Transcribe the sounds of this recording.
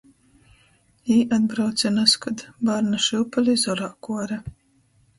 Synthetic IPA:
iːʔad̪̚bɾawt̪sʲɛnaskɔd̪baɾnaʃɨwpalʲizɔɾaːkuɔɾɛ

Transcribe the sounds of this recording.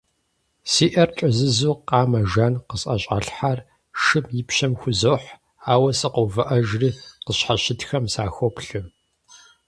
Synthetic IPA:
siːʔɐrʈ͡ʂʼɐzɨzuːqɑːmɐʒanqəsʼɐɕʼa̰ɬħar | ʃɨmjɪpɕɐmxʷʊzoːħ | aːwɐsɨqowvɨʔɐʒriːqəɕħaɕɪtxɐmsaːxʷopɬɨ

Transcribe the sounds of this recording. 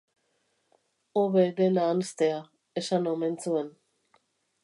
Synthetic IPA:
oβed̪enaːnest̪ea | eʃanoment͡suen

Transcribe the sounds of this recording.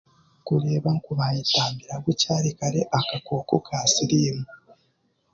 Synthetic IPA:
kuɾe̞ːβaŋkuβajitaːmbiɾaβucaːɾikaɾeʔakakoːkokʰaːsiɾiːmu

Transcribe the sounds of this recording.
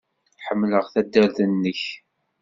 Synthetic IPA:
ħəmːləʁθæd̪ːæɾθənːəç

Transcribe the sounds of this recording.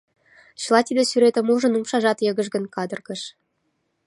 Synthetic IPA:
ɕɤ̆lˠɑt̪ʲid̪ɘ̆syɾet̪ɘ̆muʐɤ̆numʃɑʒɑt̪jɤ̆ɡɤ̆ʒ̬ɡə̆nkɑd̪ɤ̆rɡɤ̆ʃ

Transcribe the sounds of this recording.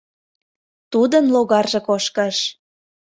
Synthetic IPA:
t̪ud̪ənloɣɑrʒĕkoʃkəʃ

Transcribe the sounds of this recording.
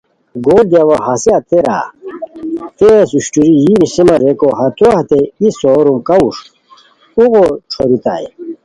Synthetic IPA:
ɡoːld̪jawaɦɐsiat̪eɾa̰ | t̪easuɕʈuɾijinisimɐɾekoɦɐt̪uaht̪eisoːɾumkauʂ | uɣoʈ͡ʂʰoɾit̪a̰ḛ

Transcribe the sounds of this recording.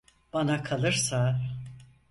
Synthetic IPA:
b̥anakʰalˠɯɾsa

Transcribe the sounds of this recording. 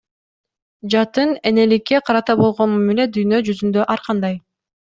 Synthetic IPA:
d͡ʒɑt̪ɯne̞ne̞likːe̞qʰɑɾɑt̪ɑbo̞lˠʁonmɑmile̞t̪̚d̪yjnø̞d͡ʒyzynd̪ø̞ʔɑɾqɑnd̪ɑj

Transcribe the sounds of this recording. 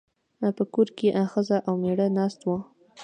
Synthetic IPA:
apəkoɾkeʔaxəzaʔawmeɽənɑst̪wa

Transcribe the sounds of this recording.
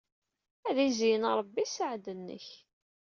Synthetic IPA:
æðizijənɾˤbːisəʕd̪ənːə̰ç

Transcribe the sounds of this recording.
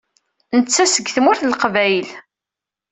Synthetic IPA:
nət͡sːæsəɡθmʊɾθəlqvæjl

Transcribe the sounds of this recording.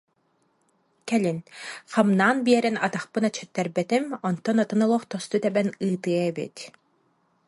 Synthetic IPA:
kɛlinχamnaːnbiɛɾɛnat̪aχpɯnat͡ʃʰːœt̪ːɛɾbɛt̪imɔnt̪ːɔnɔt̪ɯnɔlˠɔχt̪ɔst̪ut̪ɛbɛnɯːt̪ɯɐɛbḭt̪

